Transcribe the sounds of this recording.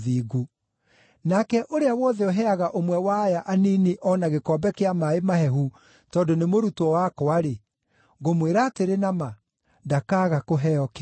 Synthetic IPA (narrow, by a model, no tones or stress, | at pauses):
ðiːɡu | nakɛʔoɾeawɔðɛoɦɛaɣaʔomwɛwajaʔaniːniʔɔnaɣekɔbɛkeamaemaɦɛɦu | tɔːndonemoɾutɔwakɔaɾe | ɣomweɾaːteɾenama | dakaːɣakoɦɛɔk